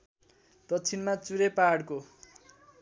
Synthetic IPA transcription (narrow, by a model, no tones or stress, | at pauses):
d̪̥ʌtːt͡sʰinmat͡suɾepaɽko